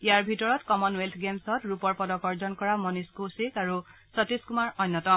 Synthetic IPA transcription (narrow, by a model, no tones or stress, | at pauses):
jaɹbʱitɔɹɔtkɔmɔnwelt̪ʰɡemsɔtɹupɔɹpɔdɔkɔɹzɔnkɔɹamɔniskusekaɹu | sɔtiskumaɹɔnːɔtɔm